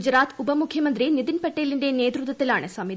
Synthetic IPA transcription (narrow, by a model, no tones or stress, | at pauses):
d͡ʒɾaːt̪upɐmukʰjɐmɐnd̪ɾinid̪inpɐʈːeːliɳɖeneːd̪ɾut̪ːʋɐt̪ːilaːɳesaːmi